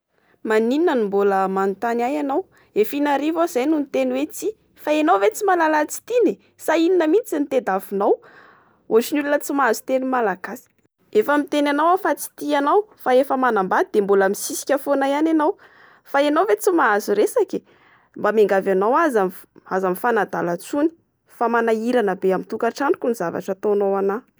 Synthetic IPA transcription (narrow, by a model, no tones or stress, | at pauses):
manininənimboləmanut̪anajanaw | efinaɾivaz̥ajnunit̪eniwet͡si | faenawvet͡simalalat͡si̥t̪ine | saininəmit͡sint̪ed̪avunaw | ot͡ʃinulunət͡simaazu̥t̪enimalaɡ̥asi̥ | efəmit̪enanawafat͡si̥t̪ianawfaefəmanambad̪id̪̥embulamisisi̥kʲafonaiananaw | faenawvet͡simaazuɾesake̥ | mbameŋɡavanawazam | azamifanad̪a̰lat͡suni̥ | famanaiɾanəbeamint̪ukaʈ͡ʂanukʲunizava̰ʈ͡ʂat̪onawana